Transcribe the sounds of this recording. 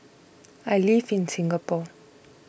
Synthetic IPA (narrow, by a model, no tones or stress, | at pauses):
alifinsiŋɡapɔ